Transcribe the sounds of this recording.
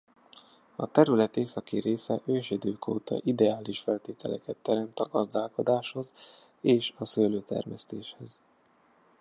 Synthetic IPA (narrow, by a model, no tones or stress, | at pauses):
ɒt̪ɛɾylɛt̪eːsɒkiɾeːsɛʔøːʃid̪øːkʰoːt̪ɒ̰ʔid̪ɛaːliʃfɛlt̪eːt̪ʰɛlɛkɛt̪ːɛɾɛmt̪ɒɡɒzd̪aːlko̞d̪aːʃho̞z | eːʃɒsøːløːt̪ɛ̰rmɛst̪eːʃhɛz